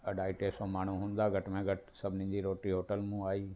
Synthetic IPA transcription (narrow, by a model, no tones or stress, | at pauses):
ɐɖaːiʈeːsõmaːɳ̤uɦũːn̆d̪aɡʱɐʈmẽɡʱɐʈsɐbʱɪnɪ̃ɲd͡ʑiɾoːʈiɦoːʈəlmũaːiː